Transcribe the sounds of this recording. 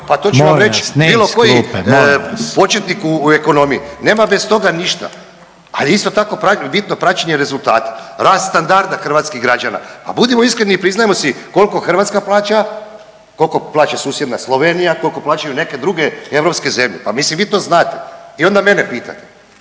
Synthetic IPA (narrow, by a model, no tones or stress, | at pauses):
pat̪o̞t͡ʃeʋamɾet͡ʃnbiːlˠokoji | po̞t͡ʃet̪nikueko̞no̞mijine̞ːmabest̪o̞ɡaniʃt̪a̰ | a̰liist̪ot̪ako̞pɾabit̪no̞pɾat͡ʃaɲeɾe̞zulˠt̪aːt̪ḁɾaːst̪st̪and̪aɾd̪axr̩ʋat̪skiɣɡɾad͡ʒana̰pa̰bud̪imoiskɾeniːpɾiznajemo̞siko̞lko̞xr̩ʋaːt̪skaplˠaːt͡ʃa | ko̞lko̞plˠaːt͡ʃasuːsje̞d̪naslˠo̞ʋe̞nijako̞lko̞plaːt͡ʃajune̞ke̞d̪ɾuɡe̞e̞ʋɾo̞pske̞ze̞mʎḛpamisibit̪o̞ːznaːt̪e̥io̞nd̪ame̞nepiːt̪a̰t̪e̥